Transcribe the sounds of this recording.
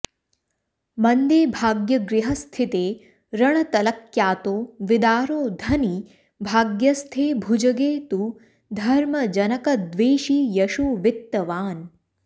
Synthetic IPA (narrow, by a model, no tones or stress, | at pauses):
mɐnd̪eːbʱaːɡjɐɡɾɪɦɐst̪ʰit̪eː | ɾɐɳɐt̪ɐlɐkjaːt̪oːʋɪd̪aːɾoːd̪ʱɐni | bʱaːɡjɐst̪ʰeːbʱud͡ʒɐɡeːt̪u | d̪ʱɐɾmɐd͡ʒɐnɐkɐd̪ʋeːʃiːjɐʃuʋɪt̪ːɐʋaːn